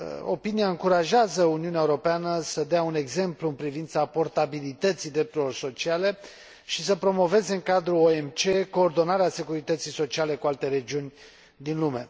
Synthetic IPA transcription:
o̞̰piniaɨŋkuɾaʒeazəuniuneaeuɾo̞peanəsəd̪eaune̞ɡze̞mpluɨnpɾivint̪sapo̞rt̪abilit̪ət̪sid̪ɾe̞p̚t̪uɾelo̞rso̞t͡ʃiale̞ | ʃisəpɾo̞mo̞ve̞ze̞ɨŋkad̪ɾuoe̞mt͡ʃe̞ko̞ːrd̪o̞naɾease̞kuɾit̪ət̪sijso̞t͡ʃiale̞kualt̪e̞ɾe̞d͡ʒiunʲ | d̪inlume̞

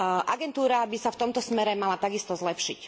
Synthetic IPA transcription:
ʔaɡɛnt̪uːɾabisaft̪ɔmt̪ɔsmɛɾɛmalat̪aɡist̪ɔzlɛpʃḭc

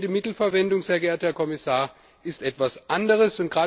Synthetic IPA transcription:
dəmɪtl̩fɛɐvɛndʊŋz̥eːɐɡɛːɐt̚hɛːɐkʰɔmɪsaːɐ | ʔɪstʔɛtv̥asʔandəʁ̞əsʊntɡ̥ʁaː

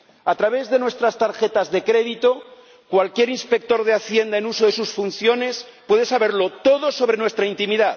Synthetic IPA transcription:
at̪ɾaβ̞e̞zðe̞nwe̞st̪ɾast̪aɾxe̞t̪azðe̞kɾe̞ðit̪o̞ | kwalkje̞ɾinspe̞k̚t̪o̞ɾðeaθje̞nd̪aenuso̞ðe̞susfun̟θjo̞ne̞spwe̞ðe̞saβe̞ɾlo̞t̪o̞ðo̞so̞βɾe̞nwe̞st̪ɾaint̪imiða

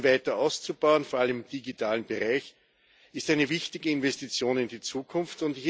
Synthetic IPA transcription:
væɪtɐʔaʊst͡subɑʊənfoɐaləmɪmd̥iɡitʰaːlənb̥əʁaɪç | ɪstæɪnəvɪçtɪɡəɪnvɛstit͡sjoːnɪndit͡suːkʰʊnftʊndɪç

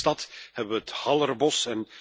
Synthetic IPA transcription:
tɑthɛbəʋəəthɑlˠərbɔsɛn

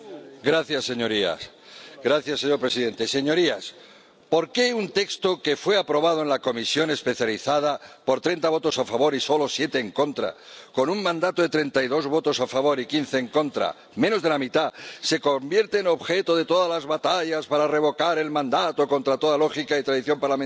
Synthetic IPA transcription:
ɡɾaθjasːe̞ɲo̞ɾia̰s | ɡɾaθjasːe̞ɲo̞ɾpɾe̞siðe̞nt̪e̞se̞ɲo̞ɾias | po̞ɾke̞unt̪e̞kst̪o̞ke̞fwe̞apɾo̞β̞að̞oe̞nlako̞misjo̞ne̞spe̞θjaliθað̞apo̞ɾt̪ɾe̞nt̪aβ̞o̞t̪o̞safaβ̞o̞ɾiso̞lo̞sje̞t̪eːŋko̞nt̪ɾa̰ko̞nuŋmãnd̪at̪o̞ðe̞t̪ɾe̞nt̪ajðo̞zβo̞t̪o̞safaβo̞ɾikin̟θe̞ːŋkõ̞nt̪ɾa̰ | mẽ̞no̞zðe̞lamit̪ase̞ko̞mbje̞ɾt̪eːno̞βxe̞t̪o̞ðe̞t̪o̞ðalazβat̪aʎaspaɾare̞β̞o̞kaɾe̞lmãnd̪at̪o̞ko̞nt̪ɾat̪o̞ðalo̞xikait̪ɾaðiθjo̞mpaɾlamẽn

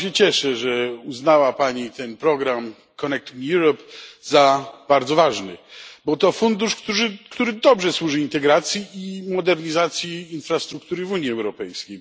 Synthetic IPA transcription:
ɕɛt͡ɕɛʂɛʐɛuznawapaɲit̪ɛnpɾɔɡɾam | kɔnɛk̚t̪injuɾɔpzab̥aɾd̪zɔvaʐnɘ̰bɔt̪ɔfund̪uʂkt̪uʐɘkt̪uɾɘd̪ɔbʐɛswuʐɘint̪ɛɡɾat̪sʲjiimɔd̪ɛɾɲizat̪sʲjiːnfɾast̪ɾukt̪uɾɘvuɲjiɛwɾɔpɛjskʲej

